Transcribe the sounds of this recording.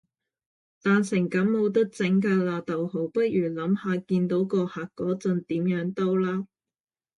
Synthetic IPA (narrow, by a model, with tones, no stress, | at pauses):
t̪aː˨nsɪ˨˩ŋkɐ˨˥mmo˨˥wt̪̬ɐ˥k̚t͡sɪ˨˥ŋkaː˧laː˨t̪ɐ˨who˨˩wpɐ˥t̚jyː˨˩lɐ˨˥mhaː˨˧kiː˧nt̪o˨˥wkɔː˧haː˨k̚kːɔː˨˥t͡sɐ˧nt̪iː˨˥mjœː˨˥ŋt̪o˥wlaː˥